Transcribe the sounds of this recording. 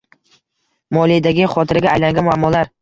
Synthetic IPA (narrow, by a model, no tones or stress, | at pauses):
mɒlˠijd̪aɡʲɪχɒt̪ʰɪɾɪɡʲaːjlaŋɡʲanmʊamːɒlaɾ